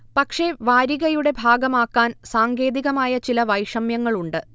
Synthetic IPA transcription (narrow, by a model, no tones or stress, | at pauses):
pɐkʂe̞ʋaːɾiɣɐjuɽe̞bʱaːɡɐmaːkːaːnsaːŋɡe̞ːðiɣɐmaːjɐt͡ɕilɐʋɐjʂɐmjɐŋːɐɭuɳɖɨ